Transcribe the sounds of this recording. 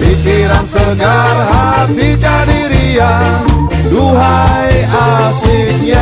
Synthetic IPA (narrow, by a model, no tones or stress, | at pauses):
bikiɾansəɡarɦa | t̪it͡ʃadiɾia | duɦajasina